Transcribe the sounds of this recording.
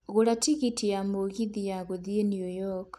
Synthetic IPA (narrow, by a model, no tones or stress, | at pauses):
ɣoɾatiɣitijamoɣiðijaɣoðienjujɔk